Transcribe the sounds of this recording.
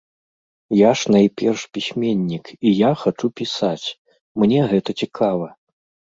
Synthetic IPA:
jaʂnajpʲɛrʂpʲisʲmʲɛnʲːikijaxat͡ʂupʲisat͡sʲ | mnʲɛɣɛt̪ɐt͡sʲikʰavɐ

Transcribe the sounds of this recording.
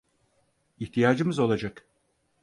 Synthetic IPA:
içt̪ʰijaːd͡ʒɯmɯzo̞lˠad͡ʒak

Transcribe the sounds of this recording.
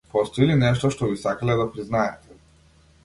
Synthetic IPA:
pɔst̪ɔilinɛʃt̪ɔʃt̪ɔbisakalɛd̪apɾiznaɛt̪ɛ

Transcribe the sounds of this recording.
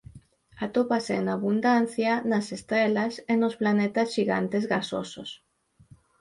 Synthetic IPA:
at̪opasenaβund̪an̟θjanasest̪ɾɛlasenosplanet̪asʃiɣa̰nt̪ezɣaso̰so̰s

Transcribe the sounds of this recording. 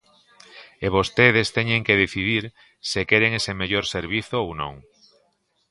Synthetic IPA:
eβost̪eð̞est̪eɲeŋkeð̞eθiðiɾ | sekeɾeŋesemeʎoɾseɾβ̞iθoownõ̰ŋ

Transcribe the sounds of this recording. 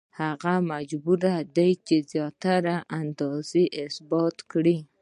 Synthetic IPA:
haɣamad͡ʒbuɾad̪ajt͡ʃezjɑt̪aɾaʔand̪ɑziʔɪsbɑt̪kɽi

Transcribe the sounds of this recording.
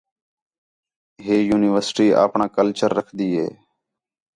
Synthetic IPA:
ɦeːjuːnɪʋəɾsʈiːa̰ːpɳaːkəlt͡ʃəɾːəkʰd̪iːɦḛː

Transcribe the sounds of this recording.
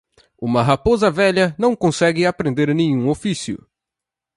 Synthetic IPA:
ũmɐɦapozɐvɛʎɐnɐ̃w̃kõsɛɡɪapɾẽnd̪eɾnẽɲũofisjʊ̰

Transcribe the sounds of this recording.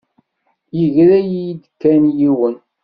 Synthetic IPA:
jiʝɾæjijid̪əkːænjiwən

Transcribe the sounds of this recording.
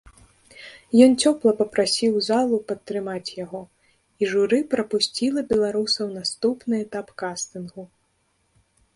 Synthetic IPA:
jɔnt͡sʲɔplˠɐpɐpɾasʲiwzalˠupɐt̪ːɾɨmat͡sʲjaɣɔ | iʐuɾɨpɾɐpusʲt͡sʲilˠɐbʲɛlˠaɾusɐwnast̪upnɨɛt̪apkast̪ɨnɣu

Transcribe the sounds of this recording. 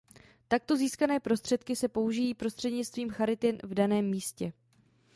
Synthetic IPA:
t̪ak̚t̪o̞ziːskanɛːpɾo̞st̪r̝̥ɛt̪kɪsɛpo̞uʒɪjiːpɾo̞st̪r̥ɛdɲɪt͡st̪viːmxaɾɪt̪ɪnvdanɛːmːiːscɛ

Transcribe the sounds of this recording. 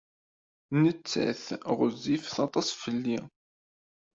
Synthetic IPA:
nət͡sːæ̰θʁəzːifθɑt̪ˤɑsˤfəlːi

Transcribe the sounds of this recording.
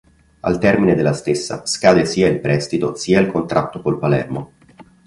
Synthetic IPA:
a̰lt̪ɛrmined̪elːast̪esːa̰skaːd̪esiːailpɾɛst̪it̪o̰siːailkont̪ɾʔat̪ːokolpalɛ̰rmo

